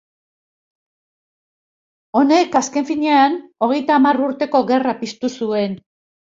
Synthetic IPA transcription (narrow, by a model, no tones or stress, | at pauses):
o̞ne̞kaske̞ɱfiɲeano̞ɣ̞e̞jt̪aːmaruɾt̪e̞ko̞ɣe̞rapist̪usue̞n